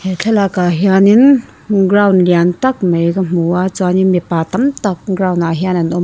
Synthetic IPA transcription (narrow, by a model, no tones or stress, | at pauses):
het͡ɬʰelakaɦjanin | ɡɾawnliantak̚mejɡɐm̥uat͡saninmipatamtak̚ɡɾawnaɦianinɔm